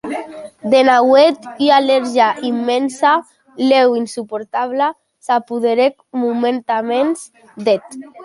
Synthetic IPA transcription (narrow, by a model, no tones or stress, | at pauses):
d̪enawet̪ialeɾʒaʔimːensa | lewinsupoɾt̪aβla | sapuðeɾekmument̪amens | d̪et̪